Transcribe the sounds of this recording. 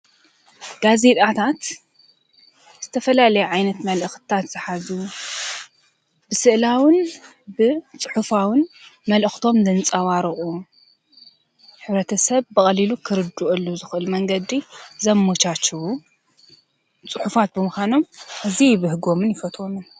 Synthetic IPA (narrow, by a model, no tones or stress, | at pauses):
ɡ̥aze̞t̪ʼat̪ʰat̪ | z̥ɨt̪ʰɐfɐlalɐjuʕajnɐt̪mɐlʔɨxt̪ʰat̪z̥ɨħazu | bɨsɨʔlawɨn | bɨt͡sʼɨħufawɨnmɐlɨxt̪ʰo̞md̪ɐnt͡sʼawaɾɨχʼu | ħɨβɾɐt̪ʰɐsɐβbɨχʼɐlilukʰɨɾɨd̪uʔɨlːuzɨxʔɨlmɐŋɡɐd̪izɐmːot͡ʃat͡ʃːuwu | t͡sʼɨħufat̪̚bɨmuxano̞mʔɨzijβɨhɨɡo̞mɨnjɪfɐt̪ʰʼomɨn